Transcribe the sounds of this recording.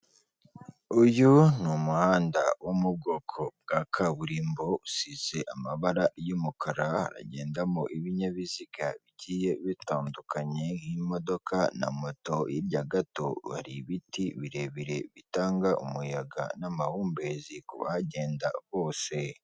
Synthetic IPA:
ujunumuhaːnda̰wʔomub̚ɡo̞ːkʰo̞b̚ɡakʰaβuɾiːmbo̞usize̞ʔamaβaɾajumukʰaɾaha̰ɾa̰ɟe̞ːndamo̰ʔiβiɲaβiziɡaβiɟiːje̞βitaːndukaɲe̞himo̞do̞kʰana̰moto̞jibɟaɡato̞βa̰ɾiβitiβiɾe̞βiɾe̞βitaːŋɡaʔṵmujaɡa̰namahuːmbe̞zikṵβa̰haɟe̞ːnda̰βo̞ːse̞

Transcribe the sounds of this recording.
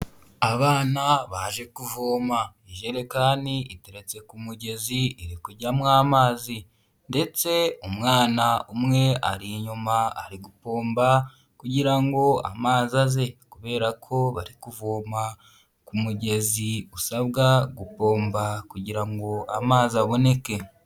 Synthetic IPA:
aβaːnaβaʒe̞kuvoːma | iʒeɾekaːniite̞ɾe̞t͡se̞kumuɟe̞ziiɾikuɾɟamŋaːmaːzi | nde̞t͡se̞umŋaːnaumŋe̞a̰ɾiɲumaːɾiɡupo̞ːmba | kuɟiɾaŋɡo̞a̰maːzaze̞kuβe̞ːɾakʰo̞βaɾikuvoːma | kumuɟe̞ziusaβɡaɡupo̞ːmbakuɟiɾaŋɡo̞a̰maːziaβo̞ne̞ke̞

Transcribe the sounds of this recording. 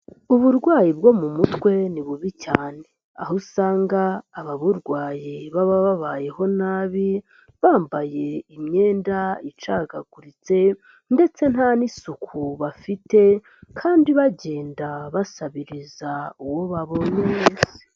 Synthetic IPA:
uβuɾɡwaːjib̚ɡo̞mumutwe̞niβuβicaːne̞ | a̰ɦusaːŋɡaːβaβuɾɡwaːjiβaβaβaβaːje̞ho̞naβi | βaːmbaje̞imɲe̞ːndait͡ʃaɡaɡuɾit͡se̞ | nde̞t͡se̞n̥hanisukʰuβafite̞ | kʰaːndiβaɟe̞ːndaβasaβiɾizauwo̞βaβo̞neeze̥

